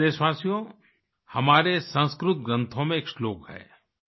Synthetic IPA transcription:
eːʃʋaːsijõ | hɐmaːɾesɐ̃nskɾʊt̪̚ɡɾə̃nt̪ʰõmẽːksloːkɦɛ̰ː

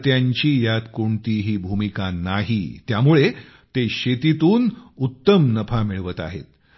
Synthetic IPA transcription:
t̪jaɲt͡ɕiːjat̪koɳt̪iɦiːbʱumikanaɦḭt̪jamuɭe | t̪eɕet̪it̪uːnut̪ːəmnəpʰamiɭʋət̪a̰ɦḛt̪

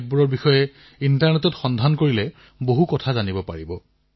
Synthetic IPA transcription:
t̚buɹɔɹbixɔjɛ | intaɹnɛtɔtxɔndʱankoɹilɛ | boɦukɔtʰazanibɔpa̰ɹibɔ

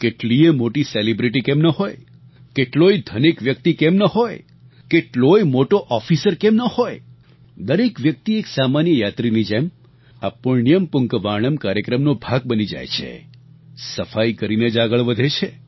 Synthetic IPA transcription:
keʈliemoʈiselibɾiʈikemnəɦoj | keʈloid̪ʱənekʋjək̚t̪ikemnəɦoj | keʈlojmoʈoʔɔfisəɾkemnəhoj | d̪əɾekʋjək̚t̪ieksamanjəjat̪ɾinid͡ʒem | a̰puɭnijəmpʊŋkʋaɽ̃əmkaɾjəkɾəmnobʱaɡ̚bənid͡ʒa̰jt͡ʃʰḛ | səfajkəɾined͡ʒaɡəɭʋəd̪ʱet͡ʃʰe

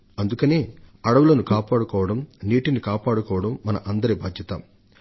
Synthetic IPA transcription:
ɐnd̪ukɐneːɐɽɐʋulɐnukaːpaːɽukɔːʋɐɽɐmniːʈinikaːpaːɽukɔːʋɐɽɐmːɐnɐʔɐnd̪ɐɾiːbaːd̪jɐt̪ɐ

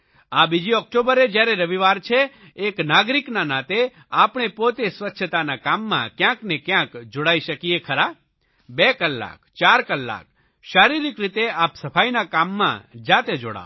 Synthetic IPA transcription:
abid͡ʒiɔk̚ʈobəɾed͡ʒjaɾeɾəʋiʋaɾt͡ʃʰeː | knaɡɾiknanat̪e | apɳ̃epot̪esʋətːʃʰət̪anakamːã̰kjãknekjãkd͡ʒoɽaiʃəkiekʰəɾa | bekəlːa̰kt͡ʃaɾkəlːa̰k̚ | ʃaɾiɾikɾit̪eapsəfʰainakamːã̰d͡ʒat̪ed͡ʒo̰ɽa̰o

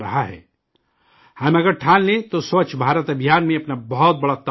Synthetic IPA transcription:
ɾɐɦaɦɛ̰ː | hɐmɐɡəɾʈʰaːllẽt̪osət͡ʃʰbʱaːɾət̪ɐbʱijaːnmẽɐpnabɐɦɔt̪̚bɐɽat̪a

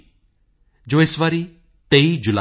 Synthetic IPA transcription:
d͡ʒoːesʋaɾi | t̪eid͡ʒʊla

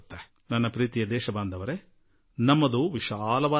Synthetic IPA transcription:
t̪ːɐ | nɐnːɐpɾiːt̪ijɐd̪ɛːʃɐbaːnd̪ʱɐʋɐɾe | nɐmːɐd̪uʋiʃaːlɐʋaː

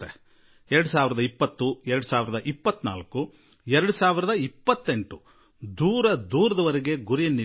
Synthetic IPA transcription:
e | ɛɾɐɽusaːʋiɾɐd̪ɐipːɐt̪ːuɛɾɐɽusaːʋiɾɐd̪ɐʔipːɐt̪ːna̰ːlɐkːu | ɛɾɐɽusaːʋiɾɐd̪ɐipːɐt̪ːeɳʈu | d̪uːɾɐd̪uːɾɐd̪ɐʋɐɾeɡe̞ɡuɾijɐnːi

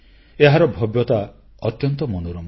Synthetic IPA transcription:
eɦaɾɔbʱɔbjɔt̪a | ɔt̪jɔnt̪ɔmɔnuɾɔm

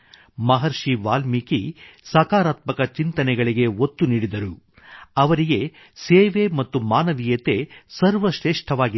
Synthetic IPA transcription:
mɐɦɐɾʂiʋaːlmikisɐkaːɾaːt̪mɐkɐt͡ʃint̪ɐnɛɡɐɭiɡe̞ot̪ːuniːɽid̪ɐɾu | ɐʋɐɾiɡe̞ | seːʋe̞mɐt̪ːumaːnɐʋijɐt̪e̞sɐɾʋɐʃɾeːʂʈʰɐʋaːɡi

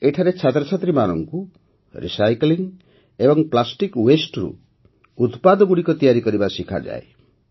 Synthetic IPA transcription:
eʈʰaɾet͡ʃʰat̪ɾɔt͡ʃʰat̪ɾimanɔŋku | ɾḭsajkliŋ | ebɔŋplasʈikwesʈɾṵ | ut̪pad̪ɔɡuɽikɔt̪ijaɾikɔɾibasikʰa̰d͡ʒa̰e

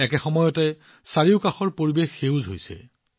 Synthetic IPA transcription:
ɛkɛxɔmɔjɔtɛ | saɹiʊkaxɔɹpoɹibexːewzʱɦo̰jsɛ̰

